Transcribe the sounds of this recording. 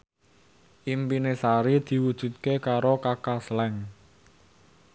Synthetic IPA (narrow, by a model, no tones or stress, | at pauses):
ʔimpinesaɾid̪̥i̤wud̥ʒ̥ṳt̪̚kekaɾokakaslɛŋ